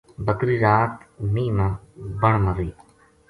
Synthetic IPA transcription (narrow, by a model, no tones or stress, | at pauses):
bəkɾiːɾaːt̪niːnabəɳ̃məɾiː